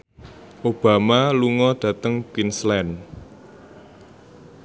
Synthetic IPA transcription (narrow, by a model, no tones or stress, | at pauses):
ʔob̥a̤maluŋɔɖ̥ä̤t̪əŋkwinslɛn